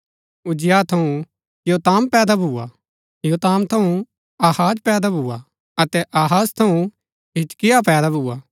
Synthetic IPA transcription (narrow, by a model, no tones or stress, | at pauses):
ʊd͡ʒɪjat̪ʰɐũ | joːt̪aːmpɛːd̪abʱua̰ | joːt̪aːmt̪ʰɐ̃ũ | aːhaːd͡ʒpɛːd̪abʱuːa | ɐt̪ɛʔaːɦaːst̪ʰɐũ | ɦɪt͡ʃkɪjapɛːd̪abʱuːaː